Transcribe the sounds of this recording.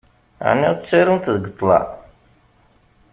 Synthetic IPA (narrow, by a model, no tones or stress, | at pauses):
ʕnːiʁt͡sːiɾunt̪ðɡət̪ˤːlɑ̰